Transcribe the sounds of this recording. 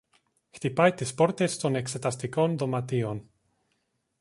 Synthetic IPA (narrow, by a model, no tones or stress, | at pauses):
xt̪ipajt̪espoɾt̪est̪onekset̪ast̪ikond̪omat̪ion